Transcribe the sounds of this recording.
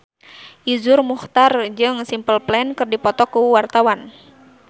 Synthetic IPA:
ʔizʊrmuht̪ard͡ʒɨŋsimpəlplɛnkɨrdipɔt̪ɔkuwart̪awan

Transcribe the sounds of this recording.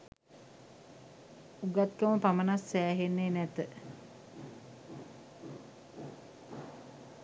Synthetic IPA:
uɡat̪kəməpamənasːæːɦenːeːnɛt̪ə

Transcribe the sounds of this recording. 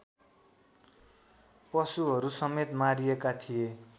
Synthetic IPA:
pʌsuɦʌɾusʌmet̪maɾijekat̪ʰije

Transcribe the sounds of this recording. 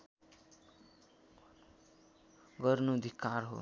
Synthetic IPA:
ɡʌrnuʌd̪ʱikːarɦo̰

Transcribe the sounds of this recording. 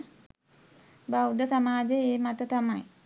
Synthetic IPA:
bawd̪əsamaːd͡ʒeeːmat̪ət̪amaj

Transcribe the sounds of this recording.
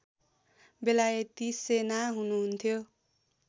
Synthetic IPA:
belajet̪isenaɦunuɦunt̪ʰjo

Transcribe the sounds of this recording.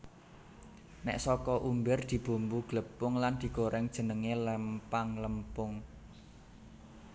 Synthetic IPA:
nɛ̰ʔsɔkɔʔumbɪrd̪̥i̤b̥o̤mbuɡ̥ləpʊŋland̪̥i̤ɡ̥oɾɛŋd̥ʒ̥ə̤nəŋeləmpaŋləmpʊŋ

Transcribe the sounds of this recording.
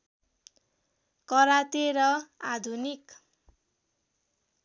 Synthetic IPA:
kʌɾat̪eɾʌad̪ʱunik

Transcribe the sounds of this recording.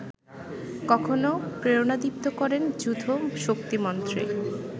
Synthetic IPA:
kɔkʰonopɾeonad̪ipt̪okɔɾend͡ʑud̪ʱoʃok̚t̪imɔnt̪ɾḛ

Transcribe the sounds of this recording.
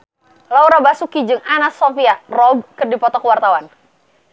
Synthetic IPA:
lauɾabasukid͡ʒɨŋanasɔfiarɔb̚kɨrdipɔt̪ɔkəwart̪awan

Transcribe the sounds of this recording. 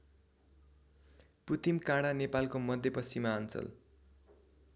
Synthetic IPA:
put̪imkãɽanepalkomʌd̪ʱjepʌsimaʌnt͡sʌ̰l

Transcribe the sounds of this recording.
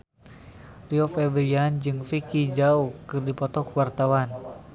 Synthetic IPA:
riɔfɛvəliand͡ʒɨŋfikid͡ʒaukɨrdipɔt̪ɔkuwart̪awan

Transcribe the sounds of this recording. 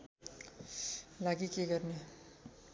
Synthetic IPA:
laɡikeɡʌrne

